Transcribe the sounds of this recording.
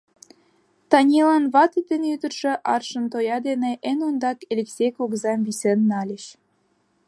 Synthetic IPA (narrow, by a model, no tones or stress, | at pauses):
t̪ɑnʲilɑnβɑt̪it̪enyd̪ərʃĕʔɑrʃə̆nt̪ojɑd̪eneʔenond̪ɑkelʲeksʲejkoɣzɑmvisenːɑlʲə̆ɕ